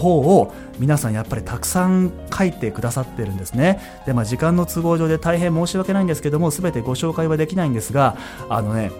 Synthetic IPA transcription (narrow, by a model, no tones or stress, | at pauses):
ɦo̞ːo | mʲinasãɰ̃japːaɾʲit̪akɯ̟̥sãŋkʰait̪e̞kɯ̟d̪asat̪ːeɾɯ̟̃nd̪esɨne̞ | d̪̥e̞maːʑikãnːo̞t͡sɨɡo̞ːʑo̞ːd̪e̞t̪aiɦẽ̞mːo̞ːɕiβake̞naind̪sɨ̥ke̞d̪o̞mosɨbe̞t̪e̞ɡo̞ɕo̞ːkaiβad̪e̞kʲinaĩnd̪e̞sɨɡa | a̰no̞ne̞